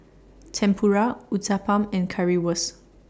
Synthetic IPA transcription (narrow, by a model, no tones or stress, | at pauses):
tʰɛ̃mpʰuɹauzapãmɛ̃nkʰaɹiwəs